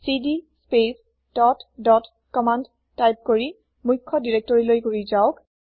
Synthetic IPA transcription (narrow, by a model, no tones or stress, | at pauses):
sidispes | d̥ɔtdɔt | kɔmand | tajp̚koɹi | mujkʰːɔdiɹɛk̚tɔɹilojkoɹizaʊk